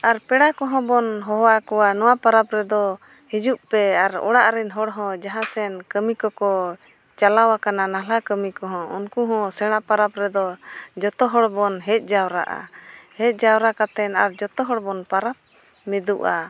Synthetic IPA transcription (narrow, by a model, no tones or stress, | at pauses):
aɾpɛɽakɔɦɔ̃bɔnɦɔɦwakɔwanɔwapaɾapɾɛd̪ɔ | hid͡ʒuʔpɛaɾɔ̰ɽaʔɾɛnɦɔɽɦɔ̃d͡ʒaɦãsɛnkəmikɔkɔ | t͡ʃalawakananalakəmikɔɦɔ̃ṵnkuɦɔ̃sɛɽ̃ãpaɾapɾɛd̪ɔd͡ʒɔt̪ɔɦɔɽbɔnɦɛt̪̚ˀd͡ʒawɾa̰ʔa̰hɛc̪̚ˀd͡ʒawɾakat̪ɛnaɾd͡ʒɔt̪ɔɦɔɽbɔnpaɾap | mɛd̪uʔa